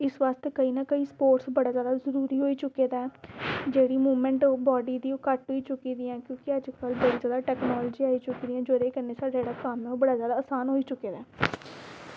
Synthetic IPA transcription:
ɪsʋaːst̪kəiːnaːkəiːspoːʈsbəɽaːzjaːd̪aːzəɾuːɾiːɦoːiːt͡ʃʊkːeːd̪aːɛːd͡ʒeːɽiːmuːmɛ̃ɳʈoːbɔːɖiːd̪iːoːkəʈɦoiːt͡ʃʊkiːd̪iãːkjõːkɪəd͡ʒkəlbəɽizjaːd̪aːʈɛːknɔːlːd͡ʒiːaːit͡ʃʊkiːd̪iːãːd͡ʒoːɾeːkənːeːsaːɖad͡ʒeːɽaːkəmɛ̃oːbəɽaːzjaːd̪aːsaːnɦoːiːt͡ʃʊkːeːd̪aː

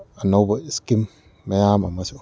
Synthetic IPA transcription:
anowbaskimː | ajamamːasi

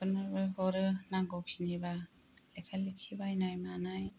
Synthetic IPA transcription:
pɯnɯɾbɯhɔɾɯnaɡɔk̚siniba | lekʰalik̚kʰibajnajmanaj

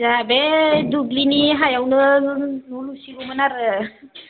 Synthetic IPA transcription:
d͡ʒabed̪uɡliniɦajawnə | ulusiɡumənaɾ

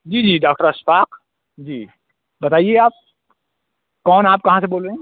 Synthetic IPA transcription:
d͡ʒiːd͡ʒiːɖaːk̚ʈəɾɐsfaːq | d͡ʒiː | bɐt̪aːieaːp̚ | kɔːnaːp̚kɐɦãseboːlɾeẽ

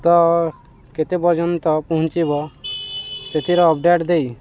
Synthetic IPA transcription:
t̪ɔ | ket̪ebɔɾd͡ʒɔnt̪ɔpɔɦʊ̃nt͡ʃibɔ | set̪ʰiɾɔɔp̚ɖeʈd̪ei

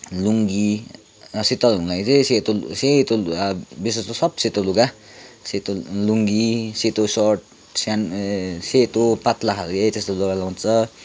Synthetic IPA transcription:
luŋɡi | set̪aluŋlajt͡sẽset̪oset̪obisʌst̪osʌb̚set̪oluɡa | set̪oluŋɡiset̪osɔrʈ̚ | sanset̪opat̪laɦaɾket̪est̪oluɡalaw̃t͡sʰʌ

